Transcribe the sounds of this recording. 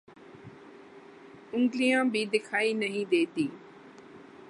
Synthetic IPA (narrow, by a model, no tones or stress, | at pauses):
ʊ̃ŋɡlijãːbiːd̪ɪkʰaːiːnəɦĩːd̪eːt̪iː